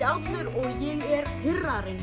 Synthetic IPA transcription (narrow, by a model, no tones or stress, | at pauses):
awft̪ʏɾɔɣjɛɣɛɾhɪrːaɾɪn